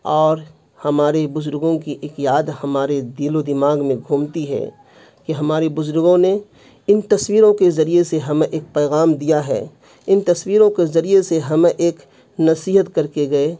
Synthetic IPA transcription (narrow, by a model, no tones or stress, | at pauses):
ɔːɾ | hɐmaːɾebʊzʊɾɡõkiʔekjaːd̪hɐmaːɾed̪iːlod̪ɪmaːɡmẽɡʱuːmt̪iɦɛ̰ː | kiɦɐmaːɾebʊzʊɾɡõne | ɪnt̪ɐswiːɾõkezɐɾijeseɦɐmʔeːk̚pɛːɣaːmd̪ijaɦɛ̰ː | ɪnt̪ɐswiːɾõkezɐɾieseɦɐmeʔeːk | nɐsiːɦət̪kɐɾkeɡɐeː